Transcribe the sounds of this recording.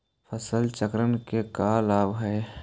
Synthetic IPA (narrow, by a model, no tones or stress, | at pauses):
fʰəsəlt͡ʃəkɾənkekaːlaːbɦɛ